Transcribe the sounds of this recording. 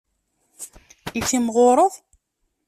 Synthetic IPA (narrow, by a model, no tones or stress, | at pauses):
it͡sːimʁoɾˤəðˤ